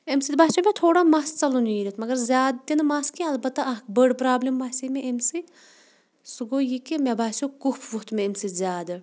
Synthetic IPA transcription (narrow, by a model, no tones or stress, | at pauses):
emsid̪̚baːsʲomʲet̪ʰoːɽamaːst͡sɐluniːɾʲit̪mɐɡɐɾzʲaːd̪̚t̪inmaːskĩɐlbɐt̪ːaɐkbəɽpɾaːblʲimbaːsimeʔemsit̪ | suɡoːjikimʲebaːsʲokuhpʰʋuht̪meemsizʲaːd̪ɐ